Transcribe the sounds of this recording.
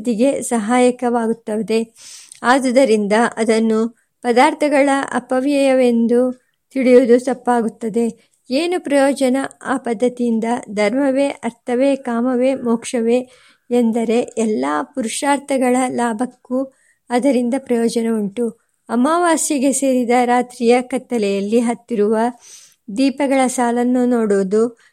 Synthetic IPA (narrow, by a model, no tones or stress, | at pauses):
d̪iɡe̞sɐɦaːjɐkɐʋaːɡut̪ːɐʋed̪e̞ | aːd̪ɐd̪ɐɾind̪ɐʔɐd̪ɐnːu | pɐd̪aːɾt̪ʰɐɡɐɭɐʔɐ̰pɐʋjɐjɐʋe̞nd̪u | t̪iɽijod̪ut̪ɐpːaːɡut̪ːɐd̪e̞ | eːnupɾɐjoːd͡ʒɐnɐaːpɐd̪ʱːɐt̪ijind̪ɐd̪ʱɐɾmɐʋe̞ːʔɐɾt̪ʰɐʋekaːmɐʋemɔːkʂɐʋe̞ | end̪ɐɾe̞ɛlːaːpuɾuʂaːɾt̪ʰɐɡɐɭɐlaːbʱɐkːu | ɐd̪ɐɾind̪ɐpɾɐjɔːd͡ʒɐneuɳʈu | ɐmaːʋaːsjɐɡe̞se̞ːɾid̪ɐɾaːt̪ɾijɐkɐt̪ːɐlɛjɐlːiɦɐt̪ːiɾuʋɐ | d̪iːpɐɡɐɭɐsaːlɐnːunoːɽoːd̪u